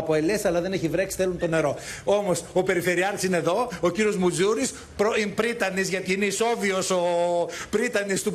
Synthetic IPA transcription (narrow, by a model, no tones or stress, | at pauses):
po̞elesɐlɐðe̞neçivɾeksi̥θelunt̪o̞ne̞ɾo̞o̞mo̞sope̞ɾife̞ɾiɐɾisineðo̞ociɾio̞zmuzuɾis | pɾoimpɾit̪ɐnizʝɐt̪iineiso̞vioso̞pɾit̪ɐnist̪u